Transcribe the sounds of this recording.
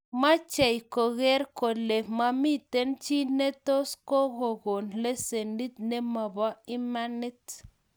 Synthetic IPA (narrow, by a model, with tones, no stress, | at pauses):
ma˦t͡ʃe˨jko˨ɣe˦ɾko˨le˨ma˦mi˦t̪e˦nt͡ʃi˦ne˦to˦sko˦ɣo˨ɣo˨nle˦se˨ndi˦t̪̚ne˦ma˨ba˦i˦ma˦ni˦t